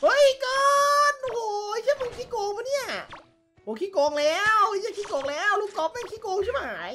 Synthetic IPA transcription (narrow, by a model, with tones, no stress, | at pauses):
hɤ˦˥˩jkɤː˧nʔo˧hoː˨˦t͡ɕʰa˥˩po˧˩ŋkʰiː˦˥˩koː˧ŋma˧˥˦ni˥˩ɐ | o˨˩˦kʰiː˦˥koː˧ŋlɛː˦˥˩wwɲa˧˥˩kʰiː˦˥koː˧ŋlɛː˦˥˩wluː˥˩kɔː˧˥p̚ma˦˥˩kʰiː˦˥koː˧ŋt͡ɕʰa˥˩a˧a˩haː˩˦j